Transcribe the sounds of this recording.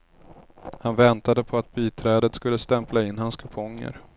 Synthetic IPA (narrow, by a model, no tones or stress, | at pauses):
hanvɛnt̪ad̪əpʰɔat̪̚biːt̪ʰɾɛːd̪ət̪skɵlːəst̪ɛmplaɪnːɦanskʰɵpʰɔŋːə̰ɾ